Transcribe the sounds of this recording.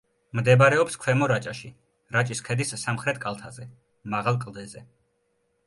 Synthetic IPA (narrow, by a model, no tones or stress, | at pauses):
md̪ɛbɾɛɔpskʰwɛmɔɾat͡ʃʼaʃi | ɾat͡ʃʼiskʰɛd̪isːamχɾɛt̪ʰkʼalˠt̪ʰazɛ | maʁalˠkʼlˠd̪ɛzɛ